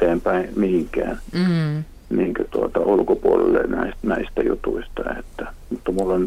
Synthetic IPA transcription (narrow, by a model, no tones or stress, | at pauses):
eːmpæimihiŋkæ̰ːn | niːŋkæt̪uot̪ɑulukopuolḛlːḛnæisnæist̪æjṵt̪uist̪ɑḛt̪ːæmut̪ːɑmulːon